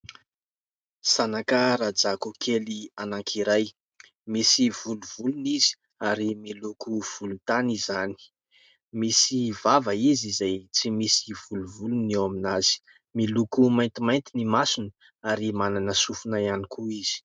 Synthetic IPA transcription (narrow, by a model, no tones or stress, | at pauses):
sanakəɾad͡zakukʰelianaŋkʰiɾaj | misiv̥uluv̥ulunizi̥ | aɾimilukuv̥ulunt̪anizani̥ | misivavəizizajt͡simisiv̥uluvulunewaminaz̥i̥ | milukumajnt̪imajnt̪inimasunə | aɾimananəsufunajanikuiz̥i̥